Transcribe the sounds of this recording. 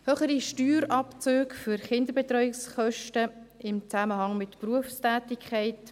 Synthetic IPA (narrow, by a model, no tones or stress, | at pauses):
høχəɾiʃtyːɾɑpt͡søːkfyɾχɪnd̪əɾbɛt̪ɾœjɪksχœʃtəɪmt͡sæməɦɑŋmɪtpruəfstæːtɪkʰχɛɪt